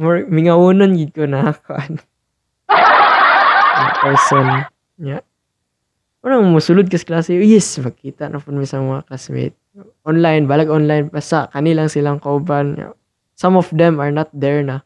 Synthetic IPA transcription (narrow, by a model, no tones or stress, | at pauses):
moɹmɪŋɐwuːnonɡɪd̪̚konɐakʊʔan | apɛɹson | ɲa | ʊlaŋmʊsʊlʊd̪̚kɐsklaːsɪʔojɛsmɐkiːt̪aʔnʔapʊnmɪsɐmɐŋaklasmḛjt̪̚ | ɔnlajnbaːlaɡonlajnbasakɐnilaŋsɪlaŋkɐʔʊbana̰ | samɔfd̪ɛmaɹnat̪̚d̪ɛɹna